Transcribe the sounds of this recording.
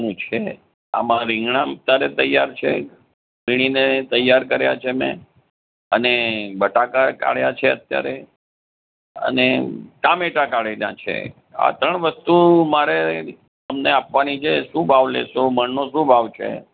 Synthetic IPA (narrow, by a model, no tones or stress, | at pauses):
nũt͡ʃʰe | a̰mãɾɪ̃ŋɡɳat̪aɾet̪əjːaɾt͡ʃʰḛ | iɽ̃inet̪əjːaɾkəɾja̰t͡ʃʰemɛ̰̃ | ənebəʈakaka̰ɭjat͡ʃʰeət̪ja̰ɾe | ə̰nekameʈakaɭenã̰t͡ʃʰḛ | a̰t̪əɳʋəst̪umaɾe | t̪əmneapʋanit͡ʃʰeʃũbʱaʋlḛʃoməɳnoʃũbʱaʋt͡ʃʰḛ